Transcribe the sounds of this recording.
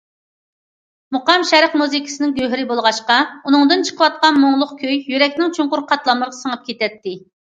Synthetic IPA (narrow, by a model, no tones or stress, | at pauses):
moqɑmʃɛɾəqmuzikʲʰɪ̥sɨnɪŋɡʲøɦɾɪbolˠʁɑʃqɑunɨŋd̪ɨnt͡ʃʰə̥qʰəwɑt̪̚qɑnmoŋlˠʊqkʲʰøjːyɾɛkʲnɪŋt͡ʃʰuŋqʊɾqʰɑt̪lˠɑməɾʁɑsəŋəp̚kʲet̪ɛt̪ʰːɪ